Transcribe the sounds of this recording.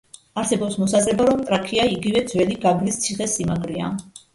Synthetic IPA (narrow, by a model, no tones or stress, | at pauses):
aɾsɛbɔpsmɔsazɾɛbaɾɔmt̪ʼɾakʰiaiɡivɛd̪zwɛliɡaɡɾist̪sʰiχɛsimaɡɾia̰